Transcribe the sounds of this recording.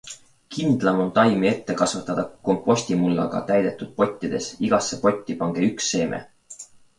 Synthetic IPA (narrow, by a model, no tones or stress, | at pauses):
kind̪̥lɑmo̞nt̪ɑjmie̞t̪ːe̞kɑsvut̪ːˑɑd̪̥ɑko̞mpːˑo̞sʲt̪imulːɑ̰ɡ̥ɑ̰t̪æjd̪e̞t̪ːˑud̪̥̚po̞t̪ʲːid̪̥e̞siɡ̥ɑsːe̞po̞t̪ʲːipɑŋɡ̥eyksːe̞ːmʔḛ